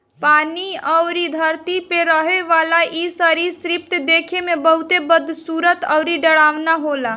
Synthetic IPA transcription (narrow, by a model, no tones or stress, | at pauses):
paːniəʊɾid̪ʱəɾt̪ipeɾəɦeʋalaʔisəɾisɾip̚t̪d̪eːkʰemebəɦut̪ebəd̪ʱːsuːɾət̪əʊɾiɖəɽaːʋnaɦola